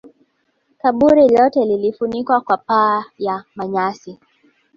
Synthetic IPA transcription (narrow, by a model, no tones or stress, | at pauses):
kaɓuɾilɔtɛlilifunikwakwapaːjamaɲasi